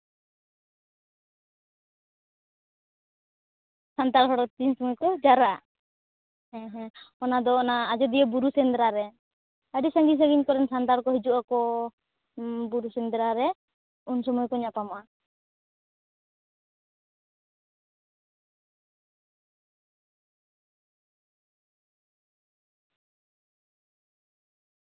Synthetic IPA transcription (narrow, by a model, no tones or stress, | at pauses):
sant̪aɾɦɔɽɔt̪insɔmujkɔd͡ʒaɾaʔ | ɛ̃ɦɛ̃ɔnad̪ɔɔnaːd͡ʒɔd̪ijɛbuɾusɛnd̪ɾaɾɛ | aɖisaŋɡis̬aɡiɲkɔɾɛnsant̪aɾkɔɦid͡ʒuʔakɔ | buɾusɛnd̪ɾaɾɛ | unsɔmɔjkɔɲapamɔʔa